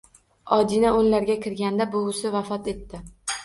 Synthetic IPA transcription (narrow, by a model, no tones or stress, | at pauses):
ɒd̪inaonlaɾɡʲakʲɪɾɡʲand̪abʊʊsɪvafɒt̪e̞t̪ːɪ